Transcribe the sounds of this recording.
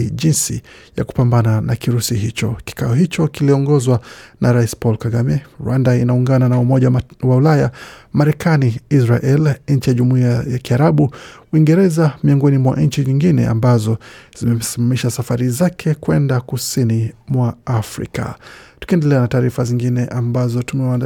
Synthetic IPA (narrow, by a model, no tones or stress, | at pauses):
ʄinsḭ | ja̰ku̥pambananakiɾusiɦit͡ʃɔki̥kaɔɦit͡ʃɔkiliɔŋɡɔzwanʔaɾaispɔlkaɡamɛɾwandainauŋɡananaumɔʄawaulajamaɾɛkaniisɾaʔɛlɲ̩t͡ʃijaʄumuiajakiaɾaɓuwiŋɡɛɾɛzamiɔŋɡɔnimwa̰ɲ̩t͡ʃiɲiŋɡinɛ̰a̰mbazɔz̥imɛm̩simamiʃasafaɾizakʰɛkwɛndakusinimwaafɾḭka̰tu̥kiɛndɛlɛanataːɾifaziŋɡinɛʔambazɔtumɛwan